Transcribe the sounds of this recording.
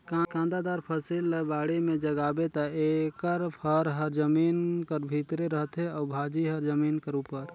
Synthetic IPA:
kakãnd̪ad̪aɾpʰəsilːbaɽemed͡ʒəɡabet̪aekəɾpʰəɾɦəɾd͡ʒəminkəɾbʱit̪ɾeɾəɦt̪ɦeɔbʱad͡ʒiɦəɾd͡ʒəminkəɾupəɾ

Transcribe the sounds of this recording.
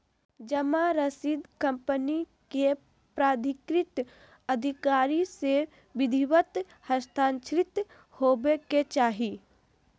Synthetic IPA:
d͡ʒəmaɾəsiːd̪kə̃mpəni | ke | pɾaːd̪ʱɪkɾɪt̪ | əd̪ʱɪkaːɾise | ʋɪd̪ʱiwət̪ | həst̪ʰaːnʃɾɪt̪ | hoːbeket͡ʃaːɦiː

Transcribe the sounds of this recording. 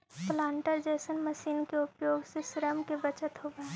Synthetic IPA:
plãːɳʈəɾd͡ʒɛːsənməʃiːnkeʊpjoːɡsesɪɾəmkebət͡ʃət̪ɦoɡa

